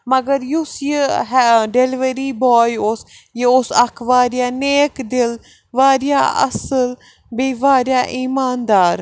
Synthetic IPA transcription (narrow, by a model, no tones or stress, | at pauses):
mɐɡəɾjʊsjəɦɖeliʋəɾiːbɔːjʊs | jiʊsɐkʰʋaːɾjaːneːkd̪ɪl | ʋaːɾja̰ːɐ̰səl | biːʋaːɾjaːʔiːmaːnd̪aːɾ